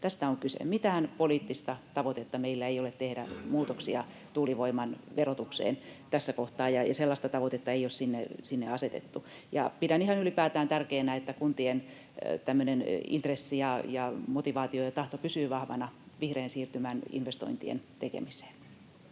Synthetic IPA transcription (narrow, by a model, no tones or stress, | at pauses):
t̪æst̪æoŋkysḛmit̪æːnpoliːt̪ːist̪ɑt̪ɑʋot̪et̪ːɑmeilːæeijolet̪t̪ehdæ̰muːt̪oksiɑ | t̪uːliʋoimɑnʋerot̪uksḛːnt̪æsːækoht̪ɑːjjɑɑselːɑst̪ɑt̪ɑʋot̪et̪ːɑeijossinːḛsinːeɑset̪ḛt̪ːu | jɑ̰pidænihɑnylipæːt̪æːnt̪ærkeːnæet̪ːækunt̪ien | t̪æmːønenḭnt̪resːijɑjɑmot̪iʋɑːt̪iojɑt̪ɑht̪opysyːʋɑhʋɑ̰nɑ | ʋihreːnsiːrt̪ymæːnḭnʋest̪o̰int̪iḛnt̪ekḛmise̥ːn